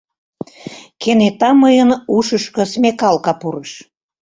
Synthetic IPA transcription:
kenet̪ɑməjənuʃəʃkə̆smekɑlkɑpuɾəʃ

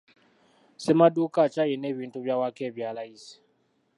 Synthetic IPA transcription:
semadukat͡ʃajeneβiːntuβjawakeːβjaːlaisi̥

